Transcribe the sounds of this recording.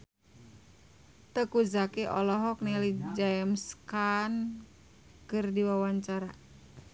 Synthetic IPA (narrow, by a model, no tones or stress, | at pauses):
t̪əkuzakiʔɔlɔɦɔk̚nilid͡ʒaɛmskan | kɨrdiwawaɲt͡ʃaɾa